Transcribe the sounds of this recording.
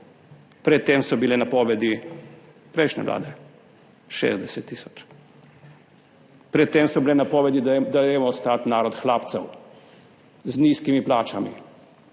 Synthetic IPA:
pɾɛt̪ːemsɔbilɛnapɔːʋɛd̪i | pɾɛjʃnɛ̰ʋlʔa̰ːd̪ɛ | ʃḛzd̪ɛsɛt̪ːiːsɔ̥t͡ʃ | pɾɛt̪ːeːmsɔbilɛnapɔːʋɛd̪id̪adeːmɔɔst̪at̪naːɾɔt̪xlaːpt̪sɛw | zniːskimiplaːt͡ʃamḭ

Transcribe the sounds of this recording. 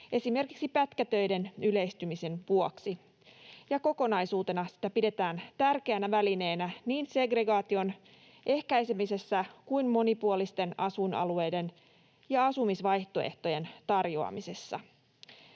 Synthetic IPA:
ʔe̞sime̞rkiksipæt̪kæt̪ø̞jde̞nyle̞jst̪ymise̞nʋuoksi | jɑko̞ko̞nɑjsuːt̪e̞nɑsi̥t̪æpide̞t̪æːnt̪ærkeænæʋæline̞ːnæniːnse̞ɡre̞ɡɑːt̪io̞n | ʔe̞hkæjse̞mise̞sːækuinmo̞nipuolist̪e̞nɑsunʔɑ̰lue̞jde̞n | jɑɑsumisʋɑjht̪o̞eht̪o̞je̞nt̪ɑrjoɑ̰mise̞sːɑ̰

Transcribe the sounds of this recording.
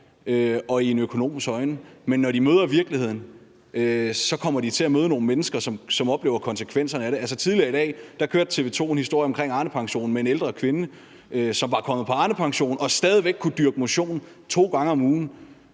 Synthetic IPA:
øɒ̽ie̝nøkʰo̝no̝̰ːmisɡ̥ɒ̽ɪnəmenːɒɾimøːð̞ˠɐʋiɐɡ̥lihe̝ð̰ˠn̩ | øsɒ̽kʰɒ̽m̰ɐd̥it͡sʰe̝æmøːð̞ˠəno̝ːn̩menəsɡ̥ɐsɒ̽msɒ̽mɒ̽b̥le̝ːʊɐkʰɒ̽nsə̥kʰʋen̰sɐnəæɾe̝ælsət͡sʰið̞ˠliɐid̥ɛ̰ːd̥ɑ̈kʰøːɐd̥t͡sʰe̝ːʋe̝t͡sʰo̝̰ːenhisd̥o̝ɐjɒmkʰʁeŋɑ̈ːnəpʰɑ̈ŋɕo̝̰ːn̩mee̝neld̥ʁɐkʰʋe̝nə | øsɒ̽mʋɑ̈kʰɒ̽m̰ð̞̩ˠpʰɒ̽ɑ̈ːnəpʰɑ̈ŋɕo̝̰ːn̩ɒ̽sd̥ɛːð̞ˠiʋeɡ̥̚kʰːud̥yɐɡ̥əmo̝ɕo̝̰ːnn̩ | t͡sʰo̝̰ːɡ̥ɑ̈ŋəɒ̽muːn̩

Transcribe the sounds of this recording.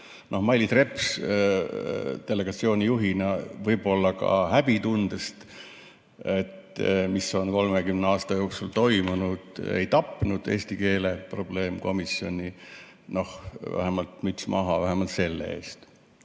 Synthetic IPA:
no̞hmɑjlʲːit̪re̞ps | t̪e̞lːe̞ɡ̥ɑt̪sio̞ːnʲijuɦinɑvɤjbo̞lːɑkɑ̰hæb̥it̪und̪̥est̪ | e̞t̪ːmiso̞nko̞lmekymneɑːst̪ɑjo̞ːksult̪o̞jmunud̪̥ḛjt̪ɑpːnud̪̥e̞ːst̪ike̞ːlepro̞b̥le̞ːmko̞misjo̞̰nʲino̞hvæ̰ɦemɑlt̪myt̪smʔɑɦɑvæɦemɑlt̪se̞lːḛe̞̰ːst̪

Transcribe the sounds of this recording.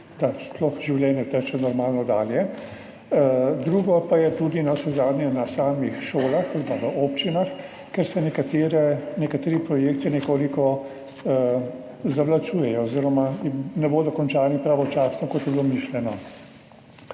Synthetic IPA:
d̪asplɔxʒiwlʲjɛːnjɛt̪ɛt͡ʃɛnɔɾmaːlnɔd̪aːljɛ | d̪ɾuːɡɔpajɛt̪ud̪inasɛzaːd̪nʲɛnasaːmixʃoːlaxalipaʋəʔoːpt͡ʃinax | kɛɾsɛnɛkat̪eɾɛnɛkat̪eːɾipɾɔjekt̪inɛkoːlikɔ | zaʋlat͡ʃuːjɛjɔoziɾɔmaimnɛboːd̪ɔkɔnt͡ʃaːɾnipɾaʋɔt͡ʃaːsnɔkɔt̪jɛbilomiʃljɛnɔ

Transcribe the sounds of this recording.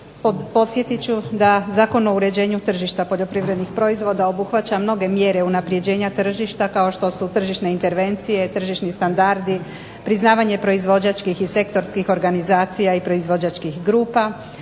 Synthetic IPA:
po̞t̪sje̞t̪it͡ɕud̪azaːko̞no̞uɾe̞d͡ʑe̞ːɲut̪r̩ʒiʃt̪apo̞ʎo̞pɾiʋɾe̞d̪nixpɾo̞izʋo̞d̪ao̞buxʋat͡ɕamno̞ɡe̞mje̞ɾe̞unapɾje̞d͡ʑe̞ːɲat̪r̩ʒiʃt̪akao̞ʃt̪o̞sut̪r̩ʒiʃne̞int̪e̞ɾʋe̞nt̪sije̞t̪r̩ʒiʃnist̪and̪aɾd̪i | pɾiznaːʋaɲe̞pɾo̞izʋo̞d͡ʑat͡ʃkixise̞kt̪o̞ɾskixo̞ɾɡanizaːt̪sijaipɾo̞izʋo̞d͡ʑat͡ʃkixɡɾuːpa

